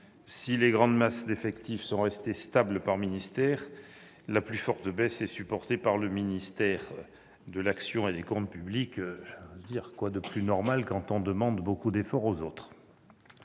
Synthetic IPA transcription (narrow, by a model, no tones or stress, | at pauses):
sileɡʁɑ̃d̪masd̪efɛkt̪ivsɔ̃ʁɛst̪est̪ablpaʁminist̪ɛʁ | laplyfɔʁt̪əbɛsɛsypɔʁt̪epaʁləminist̪ɛʁ | d̪əlaksjɔ̃ed̪ekɔ̃t̪̚pyblikʒozd̪iʁkwad̪əplynɔʁmalkɑ̃t̪ɔ̃d̪əmɑ̃d̪bokud̪efɔʁozot̪χ